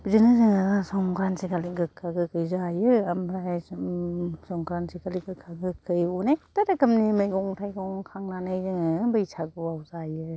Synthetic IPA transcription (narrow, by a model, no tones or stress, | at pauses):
bizɯnɯzɯŋaasɔŋkɾansikaliɡɯkʰːaɡɯkɯjzajɯamɾaj | sɔŋkɾansikaliɡɯkʰːaɡɯkʰːɯjɔnajtaɾakɐmnimajɡɔŋtʰajɡɯɔŋkʰaŋnanɯjzɯŋɯbɯjsʰaɡɯwawzajɯ